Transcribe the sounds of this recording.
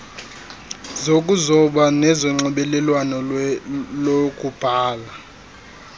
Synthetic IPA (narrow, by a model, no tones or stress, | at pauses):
zokʼuzɔɓanɛzɔŋ͡ǀɔɓɛlɛlwanɔ | lokʼub̥ʱaːla